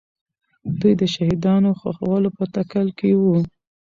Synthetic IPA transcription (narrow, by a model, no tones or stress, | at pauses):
d̪ujd̪əʃahid̪ɑnoxa̰xa̰walopət̪akəlkewu